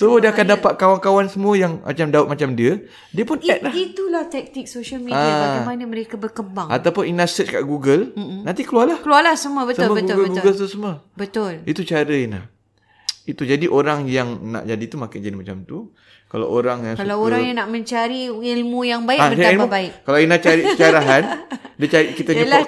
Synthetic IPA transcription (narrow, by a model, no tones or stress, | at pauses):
sodiəakandapat̪̚kawankawansəmuəjaŋmʔa̰t͡ʃamdaʊt̪̚mat͡ʃamdiə | diəpʊnɛt̚lahit̪ulaht̪ɛk̚t̪ɪk̚soʃəlmiaiaaamandəməɾekabərkəbaŋat̪awpʊninasət͡ʃka̰ʔɡuɡəlm̩nant̪ikəlualahkəlualahsəmuəbətsʊbəɡuɡətɡuɡəlt̪usəmuəbət̪ʊlit̪ut͡ʃaɾəina̰h | it̪ud͡ʒadiʔoɾaŋjaŋna̰ʔd͡ʒadit̪umakad͡ʒadimat͡ʃamt̪u | kala̰oɾaŋjaŋskalawoɾaŋjaŋnaʔmə̃ɲt͡ʃaɾiilmũjaŋbaiʔaət͡ʃaɾailmubaɪkkalainat͡ʃaɾiʔət͡ʃaɾaɦandət͡ʃaɾiʔkit̪ad͡ʒuəla